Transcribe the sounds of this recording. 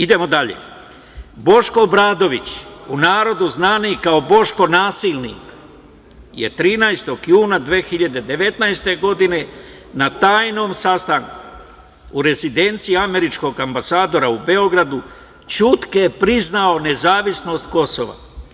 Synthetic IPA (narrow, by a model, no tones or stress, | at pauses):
id̪e̞mo̞d̪aʎḛ | bo̞ʃko̞bɾaːd̪o̞ʋit͡ɕunaːɾo̞d̪uznaːnikao̞bo̞ʃko̞naːsilnḭːk | jet̪ɾiːnajst̪o̞ɡjuːnad̪ʋeːxiʎad̪e̞d̪e̞ʋe̞t̪najst̪e̞ɡo̞d̪ine̞ | nat̪aːjno̞ːmsast̪aŋku | uɾe̞zid̪e̞nt̪siiame̞ɾit͡ʃko̞ɡambasaːd̪o̞ɾaube̞o̞ɡɾad̪u | t͡ʃut̪kepɾiznao̞ne̞zaːʋisno̞st̪ko̞soʋa̰